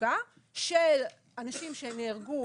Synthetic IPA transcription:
a | ʃel | anaʃimʃeneːʁɡu

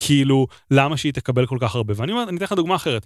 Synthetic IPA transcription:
kʰiilu | lamaʃeit̪ekabe̞lko̞lkaχaʁbe̞veaniome̞tanitenχad̪uɡmaːχe̞ʁet̪

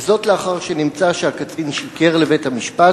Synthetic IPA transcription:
zo̞tleaχaʁʃenimt͡saʃeakat͡sinʃike̞ʁle̞vethamiʃpa

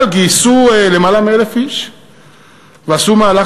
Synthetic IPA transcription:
lɡisuelemalamelefiʃ | βasumala

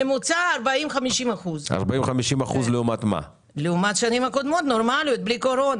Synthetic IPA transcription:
emut͡saːɾbaimχamiʃimaχuza̰ʁbaimχamiʃimaχuzleumat̪ma̰ | leumat̪ʃanimhako̞d̪mo̞t̪noɾmalijot̪̚bliko̞ɾo̞na

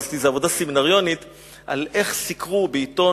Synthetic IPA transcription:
zt̪izeavo̞d̪aseminaʁjo̞nit̪ | ʔa̰le̞χsikʁubeit̪o̞

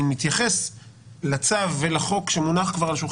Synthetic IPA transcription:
mit̪jaχe̞s | lat͡savːelaχo̞kʃemunaχkvaʁlaʃuχ

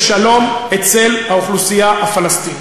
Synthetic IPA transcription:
ʃalo̞met͡selhauχlusijahafalast̪in

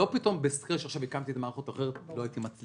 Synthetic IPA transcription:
o̞pit̪o̞mbeskeʃeaχʃavikamt̪iet̪amaːʁχot̪aχeʁet̪loait̪imat͡s

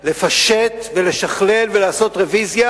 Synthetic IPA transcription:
le̞faʃet̪ve̞le̞ʃaχle̞lvelaːso̞t̪ʁevizja

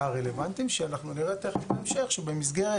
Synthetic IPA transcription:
aʁele̞vant̪imʃeanaχnuleʁet̪ːeχeflaemʃe̞χʃebemis̬ɡeʁe

